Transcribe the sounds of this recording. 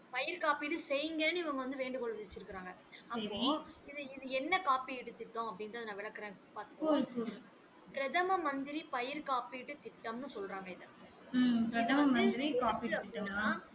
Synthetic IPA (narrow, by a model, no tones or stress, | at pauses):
pɐjɪɾkaːpiʈːɯsɛjɯŋɡɐnːɯɪʋɐŋɡɐʋɐnd̪ɯʋeːɳɖɯkɔɭʋɐðɪt͡ʃːɪɾɯkːɪɾaːŋɡɐɐɐoɪðɯɪðɯɛnːɐkaːpiɪʈːɯt̪ːɪʈːõːɐpːɐɽɪnɾɐðɯnãːʋɪɭɐkːɪɾẽːpaːɾt̪ɯkːɾkːuː | pɪɾɐðɐmɐmɐnd̪ɪɾipɐjɪɾkaːpiʈːɯt̪ɪʈːɐmnɯsɔlɾaːŋɡɐɪðɐ | pɪɾɐðɐmɐmɐnd̪ɪɾikaːpiʈːɯt̪ːɪʈːɯŋaː